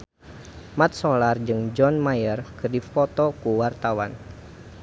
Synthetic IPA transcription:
mat̪̚sɔlard͡ʒɨŋd͡ʒɔnmajərkərdifɔt̪ɔkuwart̪awan

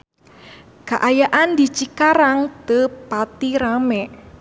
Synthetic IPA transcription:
kaʔajaʔandit͡ʃikaɾaŋt̪əpat̪iɾamɛ

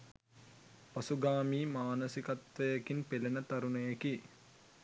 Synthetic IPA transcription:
pɐsuɡaːmiːmaːnəsikɐt̪ʋɐjekinpelenət̪ɐɾunɐjeki

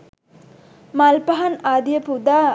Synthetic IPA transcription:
malpɐɦɐnaːd̪jɐpud̪aː

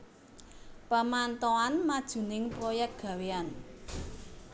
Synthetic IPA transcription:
pəmant̪ɔanmad̥ʒ̥ṳnɪŋpɾɔjɛk̚t̪̚ɡ̥ä̤wean

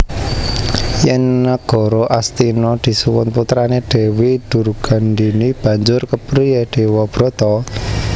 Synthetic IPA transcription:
jɛŋːəɡ̥ɔ̤ɾɔʔast̪inɔd̪̥i̤suwʊnput̪ɾaneɖ̪̥ɛ̤wid̪̥ṳrɡ̥a̤nd̪inib̥ä̤ɲd͡ʒʊrkəpɾieɖ̪̥e̤wɔb̥ɾɔ̤t̪ɔ

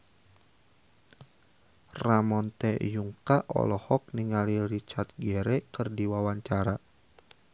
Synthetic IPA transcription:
ramɔnt̪ɛjuŋkaʔɔ̰lɔhɔk̚niŋaliɾit͡ʃat̪̚ɡɛɾɛkɨrdiwawaɲt͡ʃaɾa

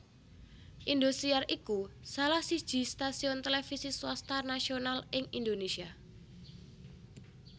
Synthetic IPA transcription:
ʔind̪ost̪iarʔikusalahsi̥ʒ̥i̤st̪asiɔnt̪elefisiswast̪anasionalɪŋind̪onesia

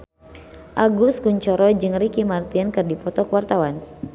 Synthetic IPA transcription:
ʔaɡuskuɲt͡ʃɔɾɔd͡ʒɨŋrikimart̪iənkɨrdipɔt̪ɔkwart̪awan

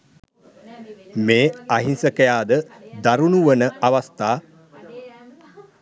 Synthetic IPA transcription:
meːaɦinsəkəjaːd̪əd̪aɾunuʋənəaʋast̪aː

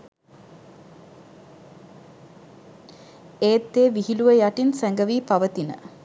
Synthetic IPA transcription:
eːt̪ːeːʋiɦiluʋəjaʈinsæŋɡəʋiːpaʋət̪inə̰

